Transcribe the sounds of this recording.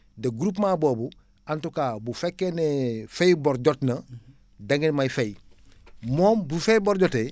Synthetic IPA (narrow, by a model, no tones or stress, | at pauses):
dɐɡuɾuːp̬maːboːbu | antukaːbufekːenefejboɾɟotnɐ | daŋɡenmajfej | moːmbufejboɾɟote